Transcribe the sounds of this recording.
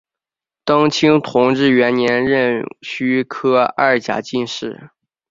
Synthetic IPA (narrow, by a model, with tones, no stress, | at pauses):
t̪ɑ˥ŋt͡ɕʰi˥ŋt̪ʰʊ˧˥ŋʈ͡ʂɻ̩˥˩ɥɛ˧˥nnjɛ˧˥nɻə˥˧˩nɕy˥kʰɤ˥a˥˩t͡ɕja̰˨˩t͡ɕi˥˧nʂɻ̩˥˩